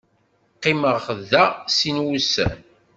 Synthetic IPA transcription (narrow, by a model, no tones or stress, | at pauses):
qːɪməʁχəðːæsinwusæ̰n